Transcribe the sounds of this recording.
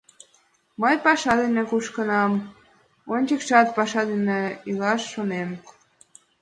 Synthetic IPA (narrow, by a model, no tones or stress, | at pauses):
məjpɑʃɑd̪enekuʃkənɑm | onʲt͡ɕəkʃɑt̪̚pɑʃɑd̪eneylɑʃːonem